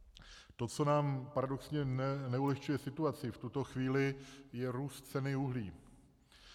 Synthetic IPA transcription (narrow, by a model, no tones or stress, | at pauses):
t̪o̞t͡so̞naːmpaɾado̞ksɲɛnɛnɛulɛxt͡ʃujɛsɪt̪uat͡sɪft̪ut̪o̞xviːlɪjɛɾuːst̪t͡sɛnɪuɦliː